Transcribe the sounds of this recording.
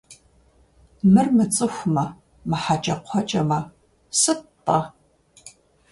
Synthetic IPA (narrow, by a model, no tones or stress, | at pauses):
mɨrmɨt͡sʼɨxʷʊmɐ | mɨħat͡ʃʼɐqʷʰɔt͡ʃʼɐmɐ | sɨpʼɐ